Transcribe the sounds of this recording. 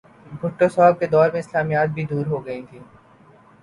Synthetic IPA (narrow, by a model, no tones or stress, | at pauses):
bʱʊʈːosɔːb̚ked̪ɔːɾmẽɪslaːmijaːt̪̚bʱid̪uːɾɦoɡɐĩt̪ʰiː